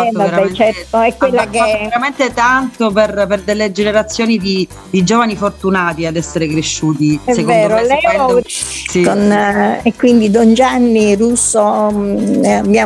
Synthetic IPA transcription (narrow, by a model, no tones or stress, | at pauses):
ɛaɾaɛt͡ʃɛt̪oɛkːwelːakeaeɾament̪et̪ant̪operperd̪elːed͡ʒeneɾat̪sːjoːnid̪i | d̪id͡ʒoːvanifort̪unaːt̪iad̪ɛsːeɾekɾeʃːuːt̪iɛsekonedːd̪oɾolɛ | sikonekːwind̪id̪ond͡ʒanːirusːo | abja